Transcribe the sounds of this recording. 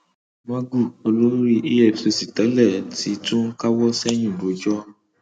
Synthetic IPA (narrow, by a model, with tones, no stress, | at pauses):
mã˦ɡu˦˨o˧lo˦ɾi˦ʔe˦ɛ˦˨fse˧si˨tɛ˨˦lɛ˦˨ti˨˦tũ˦n̩˦ka˦wɔ˦sɛ˦j̃ĩ˦˨bo˨˦d͡ʒɔ˦